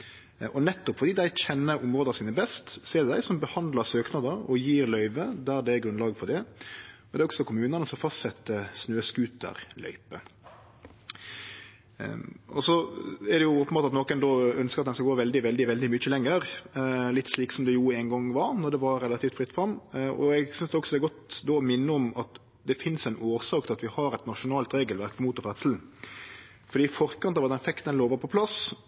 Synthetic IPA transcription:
ɔnɛt̪ːʊpfɔɾd̪iːd̪æɪçɛnːəɾʊmɾoːd̪ɑsiːnəbɛst̪sɔɛd̪ɛd̪æɪsɔmbəhɑnd̪lɑsøːknɑd̪əɾɔjiːɾlœʏʋəd̪æɾd̪ɛæɡɾʉnlɑːɡfɔɾd̪ɛɔd̪ɛæɾɔksɔkʰʊmʉːnənəsɔfɑst̪sɛt̪ːəsnøːskʉːt̪̚ə̰ɾlœ̰ʏpə̰ | ɔsɔɛd̪ɛjʊopːənbɑːɑt̪noːkənd̪oːœnskəɾɑt̪̚d̪ɛnskɑɡoːʋɛld̪ɪʋɛlɪʋɛld̪ɪmʏçəlɛŋːəɾlɪt̪ːsliːksɔmd̪ɛjuːæɪnɡɔŋʋɑɾnɔɾd̪ɛʋɑɾɾɛlɑt̪ʰiːft̪fɾɪt̪ːfɾɑmːɔ̰ɛɡsʏnsd̪ɛɔksɔd̪ɛːɾɡɔt̪d̪oːmɪnːəɔmɑt̪ | d̪ɛfɪnsæɪnʔoːɾsɑːkət̪ɪlɑt̪ʋɪhɑɾɛt̪nɑʂʊnɑːlt̪ɾeːɡəlʋæɾkfɔmuːt̪ʊfɾɛt̪səl̩n̩ | fɔɾd̪iːfɔɾkɑnt̪ɑːʋɑt̪d̪ɛnfɛkt̪ənloːʋəpʰɔpʰlɑs

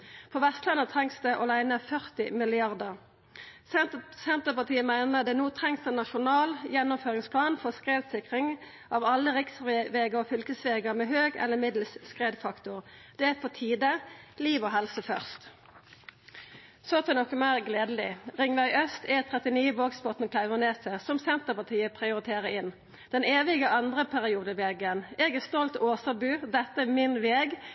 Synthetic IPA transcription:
pʰɔʋɛst̪lɑnət̪ʰʁɛŋsd̪ɛʔɑlæɪnəfœʁt̪ɪmɪlɪɑʁd̪əʁ | sɛnt̪əpɑʁt̪ʰiːəmæɪnəd̪ɛnuːt̪ʰʁɛŋsd̪ɛnɑʃʊnɑːljɛnːɔmføːʁɪŋspʰlɑːnfɔskʁeːd̪sɪkʁɪŋ | ʔɑʋɑlːəʁɪksʋeːɡəʁɔfʏlkəsʋeːɡəmɛːɦøːɡɛ̰ləmɪd̪lsskʁeːd̪fɑkt̪ʊʁd̪̥ɛæfʰɔt̪ʰiːd̪əliːʋɔɦɛlsəfœʁst̪ | sɔɑt̪ɛnɔkːəmæɪʁɡleːd̪əlɪʁɪŋʋæɪʔœst̪ɛt̪ʰʁɛt̪ɪniːəʋoːɡspɔt̪nkʰlæɪʋəʁneːsɛsɔmsɛnt̪əpɑt̪ʰiːəpʰʁɪʊɾɪt̪ʰeːʁəɪn | d̪̥ɛneːʋɪɡəʔɑnd̪ʁəpʰæʁɪuːd̪əʋeːɡəneːɡɛʁst̪ɔlt̪oːsɑbʉːd̪ɛt̪ːəɛmɪnʋeːɡ

